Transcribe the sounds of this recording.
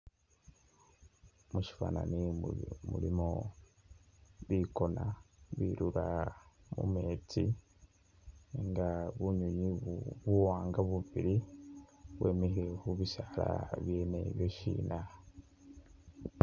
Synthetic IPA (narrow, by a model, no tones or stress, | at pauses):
muʃi̥fananimṵɾimo | βiko̞naβiɾuɾamṵme̞ːt͡si | ŋɡaβuɲuɲiβuwaːŋɡaβuβiɾi | βwʔe̞mihiɾehuβisaɾa̰βjeːneβjoʃḭːna